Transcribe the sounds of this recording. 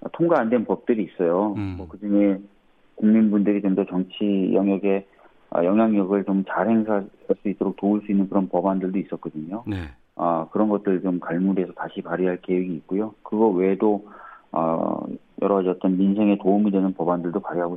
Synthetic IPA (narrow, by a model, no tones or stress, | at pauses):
ʌ̰tʰoŋɡaːndwennpʌp̚t͈ɯɾiːs͈ʌjomʌkɯd͡ʑɯŋe | kuŋɲinbundɯɾid͡ʑoŋdʌt͡ɕʌŋt͡ɕʰijʌŋjʌɡe̞ | ʌ̰jʌŋɦjaŋɲʌɡɯɭt͡ɕomt͡ɕaɾɦe̞ŋsʰa | aɭs͈uit͈oɾok̚touɭs͈uinːɯnkɯɾʌnpʌbandɯɭdois͈ʌt̚k͈ʌdɯɲo | ʌkɯɾʌnɡʌt̚t͈ɯɭt͡ɕomkaɭmuɾie̞sʰʌtaɕʰipaɾiɦaɭke̞weɡiːt̚k͈ujokɯɡʌwe̞doʌ̰ | jʌɾʌad͡ʑiʌt̚t͈ʌnminsʰe̞ŋe̞toumidwe̞nɯnpʌbandɯɭdopaɾiɦaɡo